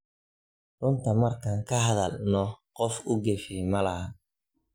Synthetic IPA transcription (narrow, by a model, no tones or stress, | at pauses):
rʊnt̪ʰɐmɐrkʰaːŋkʰɐɦɐðɐlnɔqɔfʊɡɛfiːmɐlɐɦɐ